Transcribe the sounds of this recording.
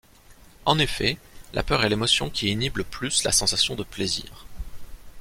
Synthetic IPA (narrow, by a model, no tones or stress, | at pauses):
ɑ̃nefɛla̰pœʁɛlemɔsjɔ̃kʲienibləplysla̰sɑ̃sasjɔ̃d̪əplezḭːʁ